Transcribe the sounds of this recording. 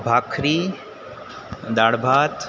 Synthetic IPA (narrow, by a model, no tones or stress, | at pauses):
bʱaːkʰɾi | d̪aːɽbʱaːt̪